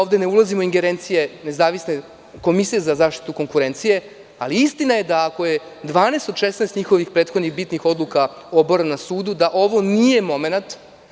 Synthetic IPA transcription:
oʋd̪e̞ne̞ulˠazimoiŋɡeɾeːnt̪sije̞ne̞zaːʋisne | ko̞misije̞zazaːʃt̪i̥t̪uko̞ŋkuɾe̞nt̪sije̞ | aliist̪inaje̞d̪aːko̞je̞d̪ʋaːnest̪o̞d̪ʃesnaest̪ɲixo̞ʋixpɾet̪xo̞d̪nixbit̪nixo̞d̪lˠukaoboɾanasuːd̪ud̪aʔo̞ʋo̞nije̞mo̞me̞nat̪

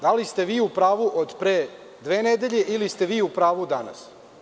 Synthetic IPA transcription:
d̪alist̪e̞ʋiːupɾaːʋuʔod̪pɾeː | d̪ʋeːned̪e̞ʎe̞ʔilist̪e̞ʋiːupɾaːʋud̪ana̰s

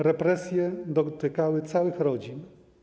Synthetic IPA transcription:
ɾɛpɾɛsʲjɛd̪ɔt̪ɘkawɘt̪sawɘxɾɔd͡ʑin

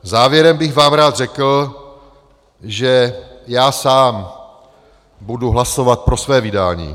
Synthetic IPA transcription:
zaːvjɛɾɛmbɪɣvaːmɾaːd̪r̝ɛkl̩ | ʒɛjaːsaːm | buduɦlasovat̪̚pɾo̞svɛːvɪda̰ːɲḭː

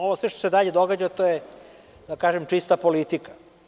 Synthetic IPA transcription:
oʋosʋe̞ʃt̪osed̪aʎed̪oɡad͡ʑat̪oje | d̪akaːʒemt͡ʂist̪apo̞lit̪ikḁ

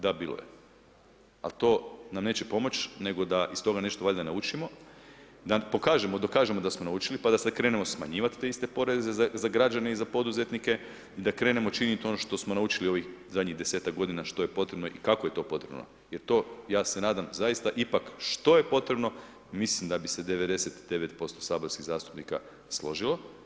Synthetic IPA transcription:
d̪abiːlˠo̰je̞̰ | a̰lt̪o̞ːnamne̞ːt͡ɕepo̞mo̞t͡ɕne̞ɡo̞d̪aʔist̪o̞ɡane̞ʃt̪oaʎd̪anaut͡ʃimo̞ | d̪apo̞kaːʒemo̞d̪o̞kaːʒemo̞d̪asmo̞naut͡ʃilipad̪asad̪kɾe̞ːne̞mo̞sma̰ɲiːʋat̪t̪ːe̞ist̪e̞po̞ɾe̞ze̞zazaɡɾad͡ʒane̞izapo̞d̪uze̞t̪nike̞ | id̪akɾe̞ːnemo̞t͡ʃiniit̪o̞noʃt̪o̞smo̞naut͡ʃilio̞ʋixzad̪ɲid̪e̞seːt̪akɡo̞d̪inaʃt̪o̞jepo̞t̪ɾebno̞ʔikako̞jet̪o̞ːpo̞t̪ɾe̞̰bno̰ | je̞ɾt̪o̞ːjaːse̞naːd̪amzajist̪aʔipakʃt̪o̞jepo̞t̪ɾe̞bno̞ | mislimd̪abise̞d̪e̞ʋe̞d̪e̞se̞t̪d̪e̞ʋe̞t̪po̞st̪o̞saːboɾskiɣzaːst̪u̥pnika̰ | slˠo̞ʒilˠo̞

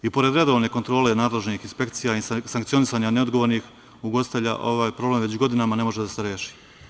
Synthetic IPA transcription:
ipo̞ɾe̞d̪ɾe̞d̪o̞ʋne̞kont̪ɾo̞ːle̞naːd̪le̞ʒnixinspe̞kt̪sijaisaŋkt̪sio̞nisaːɲaneo̞d̪ɡo̞ʋoɾnix | uɡo̞sit̪eʎa̰ʔo̞̰ʋaːjpɾo̞ble̞mʋet͡ɕɡo̞d̪inamane̞mo̞ʒed̪ase̞ɾjeːʃi̥

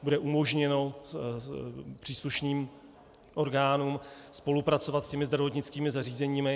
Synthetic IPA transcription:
budɛʔumo̞ʒɲɛno̞ | pr̥iːsluʃniːm | ʔo̞ɾɡaːnuːmspo̞lupɾatt͡so̞vat̪scɛmɪzd̪ɾavo̞t̪ɲɪt͡skiːmɪzariːzɛɲiːmɪ

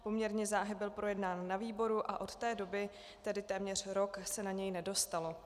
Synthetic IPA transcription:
po̞mɲɛɾɲɛzaːɦɪbɪlpɾo̞jɛdnaːnːaviːbo̞ɾuʔaʔo̞t̪t̪ɛːdo̞bɪ | t̪ɛdɪt̪ɛːmɲɛr̝̥ɾo̞ksɛnaɲɛjnɛdo̞st̪alo̞

